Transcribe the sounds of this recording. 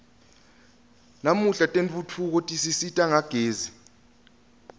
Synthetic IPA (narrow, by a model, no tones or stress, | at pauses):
namuɬatʼenɓʼutʰuk̬otʼisisitʼaŋaɡ̥ʱeːzi